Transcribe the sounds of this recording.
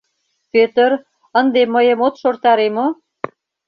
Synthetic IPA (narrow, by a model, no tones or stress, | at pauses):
pøt̪əɾ | ənd̪emːəjə̆mot̪ʃort̪ɑɾemo